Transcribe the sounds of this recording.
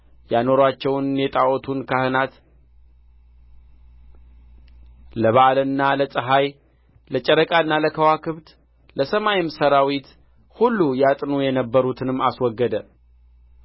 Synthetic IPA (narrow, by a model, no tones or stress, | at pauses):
jano̞ɾwat͡ʃːɛwnjɛt̪ʼaʔɔt̪ʰunkʰahɨnat̪ | ləβaʔalɨnːaləsʼɨɦaj | lət͡ʃʼəɾəkʼaɨnːaləkʰəwakʰɨβt̪ | ləsəmajɪmsəɾawit̪ | hulːujat̪ʼnujɛnəbːəɾut̪ʰɨnɨmːaswɔɡːəd̪ə